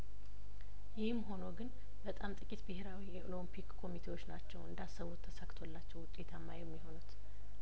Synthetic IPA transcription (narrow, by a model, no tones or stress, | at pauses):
jɪhɨmɦo̞no̞ɡɨn | bət̪ʼamt̪ʼɨkʼit̪bɨheɾawijɛʔolompʰikkʰːo̞mit̪ʰe̞wo̞t͡ʃːnat͡ʃːɛwɨnd̪asəwot̪ʰːəsakt̪ʰolːat͡ʃːɛwʊt̪ʼe̞t̪ʰamːajɛmːiɦo̞nut̪